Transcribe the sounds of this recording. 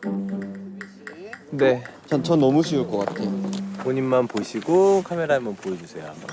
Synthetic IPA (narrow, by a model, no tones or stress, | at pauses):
ne̞t͡ɕʰʌnt͡ɕʰʌnːʌmuɕʰiuɭk͈ʌk͈atʰe̞jooɲinmanpoɕʰiɡokʰame̞ɾaemʌnpoed͡ʑusʰe̞jo̰